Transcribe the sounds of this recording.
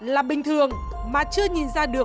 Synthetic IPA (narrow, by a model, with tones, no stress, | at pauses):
laː˨˩ɓï˨˩ŋ̟t̪ʰɨ˨˩əŋ | maː˨˩t͡ɕɨ˧əɲi˨˩nzaː˧ɗɨ˨˩ə